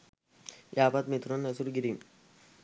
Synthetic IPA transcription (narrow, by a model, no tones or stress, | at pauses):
jʔaːpat̪mit̪ɾonəsuɾɡiɾim